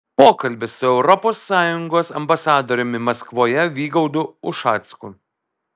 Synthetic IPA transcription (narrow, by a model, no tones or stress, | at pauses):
poːkɐlʲbʲɪsʊɛʊɾɔpoːsːɑːjʊŋɡoːsɐmbɐsɑːd̪oːɾʲʊmʲɪmɐskʋoːjɛʋʲiːɡɐʊd̪ʊʊʃɑːt̪skʊ